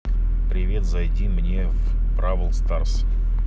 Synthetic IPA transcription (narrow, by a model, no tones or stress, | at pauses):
pɾʲɪvʲe̞t̪zɐjdʲimnʲe | f | pɾavəlˠst̪ars